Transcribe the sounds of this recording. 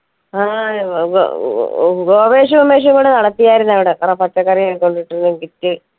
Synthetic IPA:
aːɡo̰ | ɡoːʋeːɕ̬ɐmumːeːɕ̬ɐŋɡoːɳɖenɐɽɐt̪ːijaːjiɾunːɐʋiɽekɐrɐpɐt͡ɕːɐkːɐrijakoɳɖiʈːiɾunːukitːɨ

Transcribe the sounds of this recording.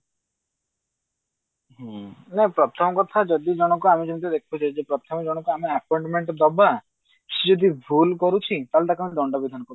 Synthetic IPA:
ɦnɛpɾɔt̪ʰɔmɔkɔt̪ʰad͡ʒɔd̪id͡ʒɔɽ̃ɔkuamid͡ʒɔnit̪ɔd̪ekʰbut͡ʃʰad͡ʒepɾɔt̪ʰɔmɔd͡ʒɔɽ̃ɔkuameapɔjɳʈmeɳʈɔd̪ɔba | sed͡ʒɔd̪ibʱulkɔɾut͡ʃʰit̪alet̪akamiɖɔɳɖɔbid̪ʱanɔkɔ

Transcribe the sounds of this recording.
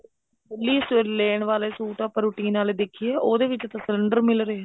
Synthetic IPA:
bʊlːiːsleːɳʋaːleːsuːʈaːpəɾuːʈĩːnaːled̪ekʰiɛːʔoːd̪eːʋɪt͡ʃət̪ãːsələɳɖəɾmɪlɾəeː

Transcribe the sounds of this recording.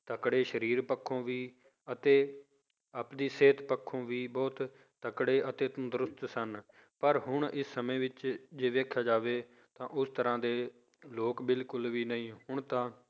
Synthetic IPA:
t̪əkɽeːʃəɾiːɾpəkʰːõːʋiː | ət̪eː | apd̪iːseːt̪pəkʰːõːʋiːbɔːt̪ | t̪əkɽeːʔət̪eːt̪ũːd̪ɾʊst̪sən | pəɾɦʊɳ̃ɪsːəmẽːʋɪt͡ʃd͡ʒeːʋeːkʰaːd͡ʒaːʋeː | t̪ãːʔʊst̪əɾãːd̪eː | loːkbɪlkʊlʋiːnəĩːhʊɳ̃t̪ãː

